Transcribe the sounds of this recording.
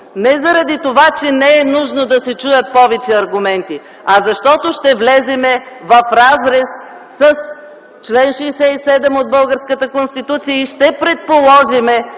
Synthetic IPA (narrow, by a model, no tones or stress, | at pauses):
nɛzɐɾɐd̪it̪ovat͡ʃɛnɛɛnuʒnod̪ɐsɛt͡ʃujət̪̚pɔvɛt͡ʃɛɐɾɡʊmɛnt̪i | ɐzɐʃt̪ɔt̪oʃt̪ɛvlɛzɛmɛ | vɐfɾazɾɛsː | əs | t͡ʃlɛnʃɛjsɛisɛd̪ɛmod̪̚bɤlˠɡəɾskət̪əkonst̪it̪ut̪sijəiʃt̪ɛpɾɛt̪̚polˠɔʒimɛ